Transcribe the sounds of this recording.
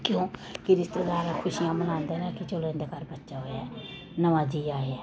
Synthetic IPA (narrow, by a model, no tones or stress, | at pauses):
kjõːkɪɾɪst̪ed̪aːɾaːkʰʊʃijãːmənãːnd̪eːnãːkɪt͡ʃolẽːnd̪eːkəɾbətːʃaːɦoːjaː | nəʋãːd͡ʒiːaːeɛː